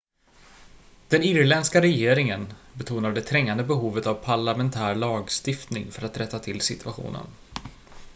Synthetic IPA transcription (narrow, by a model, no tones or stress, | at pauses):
d̪̥ɛnɪɾlɛnskaɾɛjeːɾɪŋənbɛt̪ʰuːnaɖɛt̪ʰɾɛŋːand̪əbɛɦuːvət̪avpʰaɭamɛnt̪ʰæːɾɭɑːɡst̪ɪft̪nɪŋfœɾat̪ɾɛt̪ːat̪ʰɪlsɪt̪ʰɵaɧṵːnə̰n